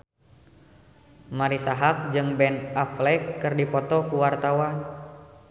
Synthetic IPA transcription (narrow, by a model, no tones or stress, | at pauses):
maɾisaɦak̚d͡ʒɨŋbɛnaflɛkːɨrdipɔt̪ɔkuwart̪awan